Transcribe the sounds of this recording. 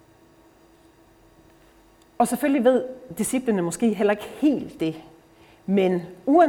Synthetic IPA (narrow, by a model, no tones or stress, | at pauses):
ɒ̽sefølliʋe̝ð̞̰ˠd̥isib̥lənəmɒ̽sɡ̥e̝̰ːɦel̰ɐe̝ɡ̥əhe̝̰ːld̥ːe̝ | menuæ